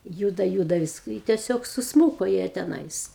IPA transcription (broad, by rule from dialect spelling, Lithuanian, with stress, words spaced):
ˈjuːdɐ ˈjuːdɐ ʋʲɪs ɪ tʲiɛˈsʲoːk sʊsˈmuːkoː jiɛ tʲɛˈnɐɪs